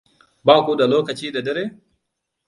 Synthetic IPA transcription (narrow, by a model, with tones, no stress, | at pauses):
baː˦˨ku˦da˨loː˦kɐ˨t͡ʃiː˦da˨dɛ˦ɾe˦